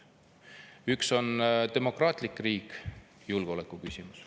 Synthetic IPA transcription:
ykso̞nt̪e̞mo̞krɑːt̪ˑlikːriːk | julɡ̥o̞lekːˑukysʲimus

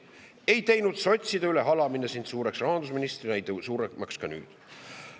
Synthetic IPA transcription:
e̞jt̪e̞jnud̪so̞t̪ʲsid̪eyle̞ɦɑlɑmine̞sind̪̥suːɾe̞ksrɑɦɑnd̪usminist̪rinæjd̪suːɾemɑkskɑny̰ːd̪̥

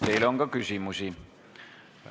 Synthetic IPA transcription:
t̪eiloŋkɑkysimusi

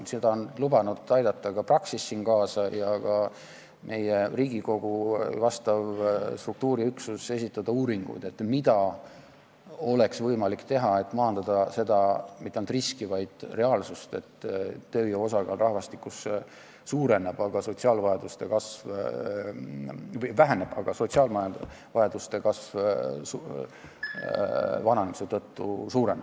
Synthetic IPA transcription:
se̞d̪̥ɑonlubɑnud̪̥ɑjd̪ɑt̪ːˑɑkɑprɑksisːinkɑːsɑjɑkɑ | mʔe̞jeriːɡ̥iko̞ɡ̥uvɑst̪ɑvst̪ruk̚t̪uːɾiyksuse̞sit̪ːˑɑd̪̥ɑuːɾiŋɡ̥ṵd̪e̞t̪mid̪̥ɑ | o̞le̞ksvɤjmɑlikt̪e̞ɦɑe̞t̪ːˑmɑɦɑnd̪̥ɑd̪̥ɑse̞d̪̥ɑmit̪ːˑeɑnlt̪riskivɑjd̪̥re̞ɑːlsust̪e̞t̪ːø̞ːjeo̞sɑɡ̥ɑrʔɑhvɑst̪ikːˑuse | suːɾe̞neb̥ɑɡ̥ɑso̞t̪siɑːlvɑjɑd̪̥ust̪e̞kɑsv | vjvæɦeneb̥ɑɡ̥ɑso̞t̪siɑːlmɑjɑ | vɑjed̪ust̪e̞kɑsvs | vɑnɑnemiset̪ɤt̪ːṵsuːɾenːe̥

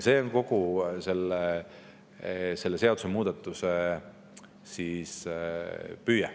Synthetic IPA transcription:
se̞ːonko̞ɡ̥use̞lːe | se̞lːese̞ɑd̪usemuːd̪̥ɑt̪ːˑuse | sis | pyːjɛ

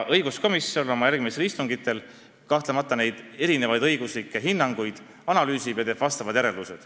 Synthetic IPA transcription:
ʔɤjɡ̥usko̞misːolo̞mɑjærɡ̥misist̪uŋɡ̥it̪ːˑe̞l | kɑht̪lemɑt̪ˑːɑne̞jd̪̥e̞ɾine̞vɑjd̪ɤjɡ̥uslikːˑe̞ɦinːɑŋɡ̥ujd̪̥ | ɑnɑlyːsivjeɑt̪eːb̥vɑst̪ɑvɑd̪̥jæɾe̞ld̪used̪̥

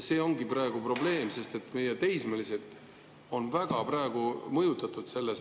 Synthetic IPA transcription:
se̞ːo̞ŋɡiprɑeɡ̥upro̞ble̞ːmse̞st̪e̞t̪ːˑmejet̪e̞jsmeliset̪ˑ | o̞nvæɡ̥ɑprɑeɡ̥umɤjut̪ːˑɑt̪ˑud̪̥se̞lːes

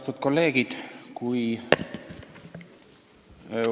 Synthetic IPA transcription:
t̪ut̪̚ko̞lːe̞ːɡ̥id̪̥kuj

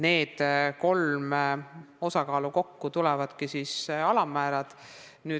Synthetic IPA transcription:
ne̞ːd̪̥ko̞lm | o̞sɑkɑːluko̞kːut̪ulɛvɑd̪̥kisiːsɑlɑmːæːɾɑd̪̥ | nyː

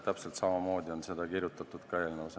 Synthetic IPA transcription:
t̪æpse̞lt̪sɑmɑmo̞ːd̪̥ʲio̞nse̞d̪ɑkiɾjut̪ːˑɑt̪ːˑud̪̥kɑe̞ːlnɑvse

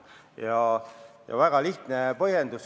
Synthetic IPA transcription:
jɑjɑ̰væɡ̥ɑliht̪nepɤhjend̪us

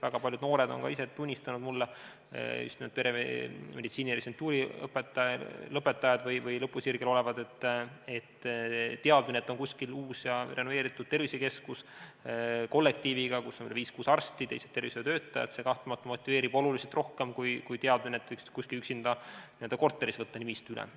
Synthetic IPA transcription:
væɡ̥ɑpɑlʲjud̪no̞ːɾe̞d̪o̞̰nkɑ̰ise̞t̪unʲːist̪ɑnud̪̥mulːe | y̰st̪imed̪pe̞ɾḛme̞d̪it̪siːniresent̪ːˑuːɾiɤ̰pːˑet̪ːˑɑlɤpːˑe̞t̪ːˑɑjɑd̪̥vɤjvɯjlɤpːˑusirɡ̥elo̞le̞vɑd̪e̞t̪ːet̪ːt̪ːeɑd̪minet̪ːˑo̞nkusʲkiluːsjɑrʔe̞nove̞ːɾit̪ːˑud̪̥̚t̪e̞rviseke̞skus | ko̞lːek̚t̪iːviɡ̥ɑkusːoylviːskuːsɑrst̪it̪e̞jset̪ːe̞rviset̪ø̞ːt̪ːˑɑjɑ̰t̪se̞kɑht̪umɑt̪ːumo̞t̪ʲːˑive̞ːɾib̥o̞luliselt̪rʔo̞hke̞mkujkujt̪eɑd̪minet̪ːˑv̥ɤjkskuskilyksind̪̥ɑnid̪̥ɑko̞rt̪ːˑe̞ɾisvɤt̪ːɑnimist̪ylɛ̰

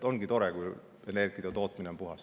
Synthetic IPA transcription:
oŋɡ̥it̪o̞ɾekuj | e̞ne̞rɡ̥iɑt̪o̞ːt̪minempuɦɑs

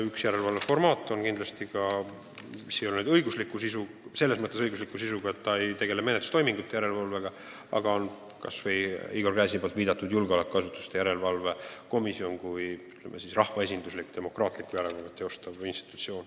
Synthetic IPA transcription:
yksjæɾe̞lvɑlve̞fo̞rmɑːt̪ːˑo̞nkind̪lɑst̪iɡɑ | misːejolnud̪ɤ̞jɡuslikːˑusisu | se̞lːesmɤt̪ːˑesɤjɡuslikːˑusisuɡ̥ɑet̪ːɑe̞jt̪e̞ɡe̞lemenet̪ːu̥st̪ojmiŋɡut̪ːejæɾe̞lvɑlve̞ɡ̥ɑ | ɑ̰ɡɑon | kɑ̰sve̞jiɡolɡæːsipbolt̪viːd̪̥ɑt̪ːˑud̪julɡeo̞lekːkɑsut̪ːˑu̥st̪e̞jæɾe̞lvɑlve̞ko̞misio̞nkujyt̪ːˑlemʔesisrɑhvɑe̞sind̪̥uslikːt̪e̞mo̞krɑːt̪ˑlikːˑujæɾelvɑlet̪ːˑeo̞st̪ɑvinst̪i̥t̪ːˑu̥t̪sio̞ːn

